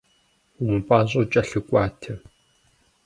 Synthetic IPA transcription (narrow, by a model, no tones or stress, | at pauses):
umɨpʼaːʑʼot͡ʃʼɐɬɨkʷʼaːtʰɐ